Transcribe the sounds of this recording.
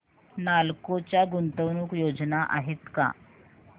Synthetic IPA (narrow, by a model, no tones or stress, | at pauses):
nalkot͡ɕjaɡunt̪əʋnuːkjod͡znaʔa̰ɦet̪ka̰